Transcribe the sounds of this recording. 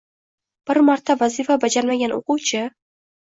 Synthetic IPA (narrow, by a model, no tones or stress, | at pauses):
b̥ɪɾmaɾt̪ʰavazifabad͡ʒaɾmaɡʲano̰qʊwt͡ʃʰɪ